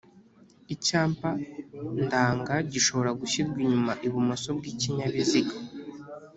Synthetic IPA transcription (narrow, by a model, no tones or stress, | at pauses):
icaːmpandaːŋɡaɟiʃo̞βo̞ɾaɡuɕibɡiɲumaʔiβumoso̞b̚ɡiːciɲaβiziɡa